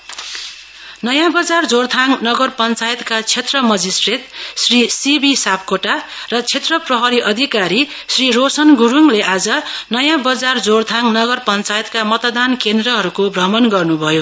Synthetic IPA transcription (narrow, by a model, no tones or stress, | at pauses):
nʌjãbʌd͡zard͡zort̪ʰaŋnʌɡʌrpʌnt͡sajʌt̪kat͡sʰet̪rʌmʌd͡zisʈret̪srisibisap̚ʰkoʈarʌt͡sʰet̪rʌprʌɦʌɾiʔʌd̪ʱikaɾi | srirosʌnɡuɾuŋleʔad͡zʌnʌjãbʌd͡zard͡zort̪ʰaŋnʌɡʌrpʌnt͡sajet̪kamʌt̪ʌd̪ankend̪rʌɦʌɾukobʱrʌmʌnɡʌrnubʱʌjo